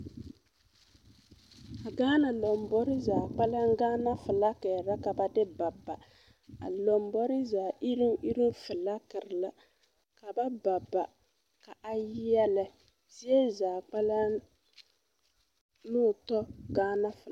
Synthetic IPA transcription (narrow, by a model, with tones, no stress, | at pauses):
a˨ɡaː˦na˨lɔ˨mbɔ˦ɾɪ˦zaː˨k͡pa˦la˦ŋ˦ɡaː˦na˦fɨ˨la˦kɛ˨ɾa˦ka˨ba˨dɪ˦ba˨bːa˨ | a̰˨lɔ˨mbɔ˦ɾɪ˦zaː˨ʔi˦ɾɪ˦m˦ʔi˦ɾi˦m˦fɨ˨la˦kɨ˨ɾɪ˨la˦ | ka˨ba˦ba˨bːa˨ | ka˨ʔa˨jɛ˦lɛ˨ | zi˦e˦zaː˨k͡pa˦la˦ | nʊː˦˨tɔ˦ɡaː˦na˦fɨ˨l